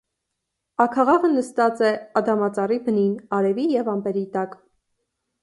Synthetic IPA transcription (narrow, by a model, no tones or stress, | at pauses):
ɑkʰɑʁɑvənəst̪ɑt͡sɛɑd̪ɑmɑt͡sɑribəninɑɾɛvijɛvɑmpɛɾit̪ɑk